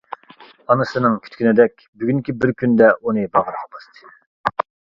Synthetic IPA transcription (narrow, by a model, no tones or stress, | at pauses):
ɑnɨsɨnɨŋkʲʰy̥t̪kʲʰynɪd̪ɛk̚ʲbyɡʲyŋkʲibɪɾkʲynd̪ɛunɨbɑʁɾɑqbɑst̪ʰɨ̥